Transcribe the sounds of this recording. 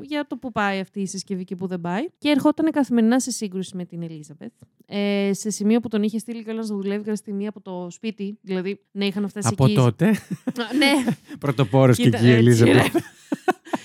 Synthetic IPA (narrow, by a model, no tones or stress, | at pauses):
ʝɐt̪o̞pupɐiɐft̪iːsescevicepuðe̞bɐiceːɾxo̞t̪ɐne̞kɐθime̞ɾinɐse̞siŋɡɾusime̞t̪ine̞lizɐbe̞θ | ese̞simio̞put̪o̞niçest̪iliceolɐnst̪ɐðule̞vikɐnst̪iniɐpo̞t̪o̞spit̪iðilɐðinɐixɐnɐft̪esɐept̪o̞t̪enepɾot̪opo̞ɾoset̪ielizɐbe